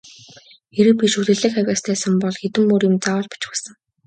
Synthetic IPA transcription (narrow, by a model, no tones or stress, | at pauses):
xeɾɘ̆pʲiʃuɮɘ̆ɮɘ̆xæwʲaːst̪ʰæːsə̆mpɔɮxet̪ɘ̆mːoːɾjɪ̆mt͡sawə̆ːɮpḁt͡ɕpasə̆ŋ